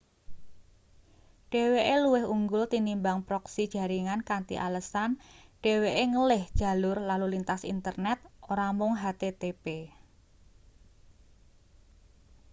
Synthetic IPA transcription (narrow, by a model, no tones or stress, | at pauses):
ɖ̥e̤weʔeluwɪɦuŋɡʊlt̪inimbaŋpɾɔksid̥ʒ̥a̤ɾiŋankant̪ḭʔa̰ləsanɖ̥e̤weʔeŋəlɪhd̥ʒ̥a̤lʊrlalulint̪asḭnt̪ərnɛt̪̚oɾamʊŋɦat̪et̪epe